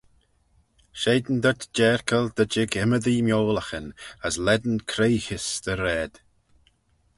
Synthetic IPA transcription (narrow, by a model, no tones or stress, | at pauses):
ʃeːd̪n̩d̪ɔt̪d͡ʒɛːɹkʰəld̪̥əd͡ʒɪɡɪməðimjoːləxənəslɛd̪nkʰɾejxɪsd̪̥əɾɛːd̪̥